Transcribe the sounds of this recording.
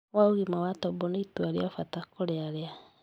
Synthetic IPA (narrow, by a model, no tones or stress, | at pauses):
waoɣimawatɔbɔneitwaɾiafatakoɾeaɾea